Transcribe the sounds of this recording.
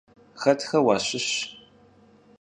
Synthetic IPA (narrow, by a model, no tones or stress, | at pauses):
xɐtʰxɐwaːɕɪɕ